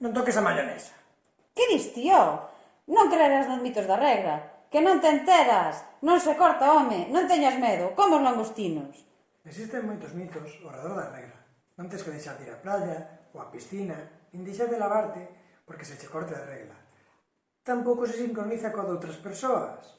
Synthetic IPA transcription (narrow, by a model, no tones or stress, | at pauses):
nõnt̪okesamaʎanḛsḁ | keðist̪io | nõŋkɾeɾaznozmit̪ozðareɣla | kenõnt̪ent̪eɾasnõnsekoɾt̪aomenõnt̪̬eɲazmeðokomozlaŋɡost̪inos | eksist̪eŋmujt̪ozmit̪osoreðoɾðareɣla | nõnt̪eskeðejʃaɾt̪iɾa̰plaʎaoapisθinaind̪iʃaɾðelaβaɾt̪e | poɾkeset͡ʃekoɾt̪eðereɣla | t̪ampokos̬esiŋkɾoniθakoðowt̪ɾaspeɾsoa̰s